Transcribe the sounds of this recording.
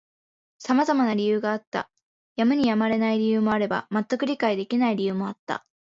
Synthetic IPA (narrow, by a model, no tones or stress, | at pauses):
samazamanaɾʲijɯ̟ːɡaːt̪ːa̰ | jamɯ̟ɲ̟ijamaɾe̞naiɾʲijɯ̟ːmo̞aɾe̞ba̰mat̪ːakɯ̟ɾʲikaid̪e̞kʲinaiɾʲijɯ̟ːmo̞at̪ːa̰